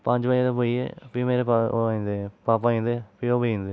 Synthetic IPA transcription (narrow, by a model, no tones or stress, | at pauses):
pə̃ɲd͡ʒbat̪eːpoiḛːpimeːɾepa̰aĩːnd̪epaːpaːĩːnd̪epioːbiĩːnd̪eː